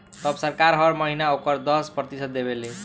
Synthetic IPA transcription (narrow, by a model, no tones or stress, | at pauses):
t̪ʌbsʌɾkaɾɦʌɾmʌɦinaokʌɾd̪ʌspɾʌt̪isʌd̪̚d̪ebele